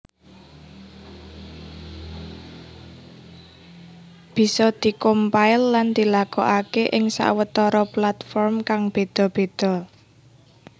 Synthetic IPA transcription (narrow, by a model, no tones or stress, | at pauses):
b̥i̤sɔd̪̥i̤kompaɪlːand̪̥i̤lakɔ̰ʔakeʔɪŋsa̰ʔwət̪ɔɾɔplat̪fɔrmkaŋb̥e̤d̪̥ɔ̤b̥e̤d̪̥ɔ̤